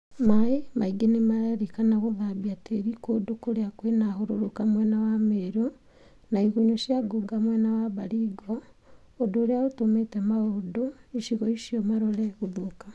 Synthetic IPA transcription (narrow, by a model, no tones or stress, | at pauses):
maimaiɡenemaɾaɾikanaɣoðaβiateɾikodokoɾeakwenahoɾoɾokamwɛnawameɾo | naiɣoɲoʃjaɡoɡamwɛnawaβaɾiɡoː | doːɾeaotometemaodoiʃiɣɔiʃiomaɾoɾeɣuðuka